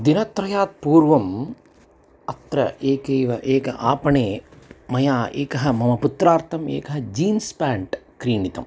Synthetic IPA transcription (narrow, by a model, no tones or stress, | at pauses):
d̪inɐt̪ɾɐjaːt̪̚puːɾʋɐm | ɐt̪ɾɐ̰eːkeːʋɐʔeːkɐ̰ʔaːpɐɳeːmɐjaːʔeːkɐɦɐ̆mɐmɐput̪ɾaːɾt̪ʰɐmḛːkɐɦɐd͡ʒiːnspaːɳʈkɾiːnit̪ɐ̰m